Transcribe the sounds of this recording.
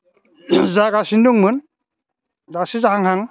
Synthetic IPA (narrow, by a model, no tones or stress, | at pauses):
zaɡasinduŋmɯn | zasizahaŋhaŋ